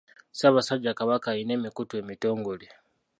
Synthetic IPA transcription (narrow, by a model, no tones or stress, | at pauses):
saːβasaɟakaβakaine̞ːmikutwe̞mito̞ːŋɡoli